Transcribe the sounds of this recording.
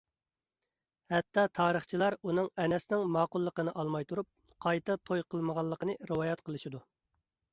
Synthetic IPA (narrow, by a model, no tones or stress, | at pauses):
hɛt̪ːɑt̪ʰɑːɾəχt͡ʃʰilˠɑɾunɨŋɛnɛsnɪŋmɑːqʊlˠːəqənɨʔɑlˠmɑjt̪ʰuɾup̚ | qʰɑjt̪ɨt̪ʰojqʰəlˠməʁɑlˠːəqənɨɾəwɑːjɑt̪qʰəlˠɨʃid̪u